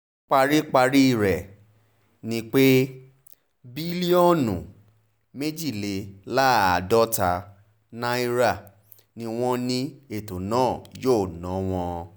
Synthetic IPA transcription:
k͡pa˧ɾi˦k͡pa˧ɾi˦i˦˨ɾɛ˨ | nĩ˧k͡pe˦ | bi˦li˦ɔ˦˨nũ˨ | me˦d͡ʒi˦˨le˨˦la˦˨a˨dɔ˦ta˧ | nã˦i˦ɾa˦˨ | nĩ˧w̃ɔ̃˦nĩ˦e˦˨tõ˨nãː˦˨joː˦˨nã˨˦w̃ɔ̃˧

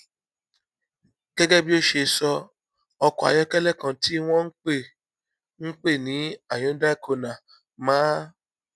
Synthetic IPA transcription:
ɡ̥ɛ˦ɡɛ˦bi˦o˦ʃe˧sɔ˧ | ɔ˧kɔ˨a̰˨jɔ˦kɛ˦lɛ˦˨kã˧ti˦w̃ɔ̃˦n̩˦k͡pe˦˨ | ŋ̩˦k͡pe˦˨nĩ˨˦a˦˨j̃õ˨˦da˦i˦˨kʰo˧nã˨ | mãː˨˦

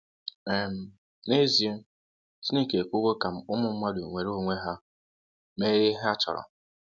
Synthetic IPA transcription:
e˨m̩˨ | ne˦zi˨e˦ | t͡ʃi˦ne˦ke˨kʷu˦ɡʷe˦ka˨m̩˦ʊ˦mʊ˦m̩˦ma˦du˨ŋʷe˨ɾo˦ŋʷe˦ɦa˦ | me˦ɾe˦ɦe˦a˦t͡ʃɔ̰˨ɾɔ̰˨

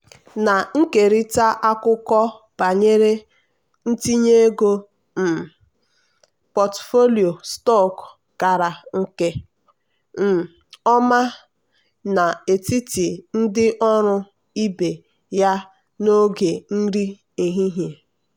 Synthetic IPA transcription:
na˨ŋ̩˦ke˨ɾi˦ta˦ʔa˦kʊ˦kɔ˦ | b̥a˨ɲe˦ɾe˦ | n̩˦ti˦ɲe˦e˦ɡo˦ | m̩˨ | pɔ˨tfo˦li˨o˨stɔ˦˨k | ka˨ɾa˨ŋ̩˦ke˦ | m̩˨ | ɔ˦ma˦ | na˨e˨ti˦ti˨n̩˦dɪ˦ʔɔ˦ɾʊ˦ | i˦be˨ | ja˦ | no˦ɡe˨n̩˦ɾi˦ | e˨ɦi˦ɦje˨

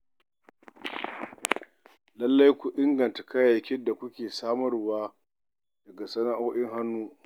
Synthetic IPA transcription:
lɐ˦lːa˦jkʷu˨ʔɪ˦ŋɡɐ˨nta˨kɐ˦ja˨kʲɪ˦nda˨kʷʊ˦kʲeː˨saː˦mɐ˦rwaː˦ | d̥ɐ˨ɡa˨sɐ˦na˦ʔoː˦ʔɪ˦ŋɦa˦nːuː˦

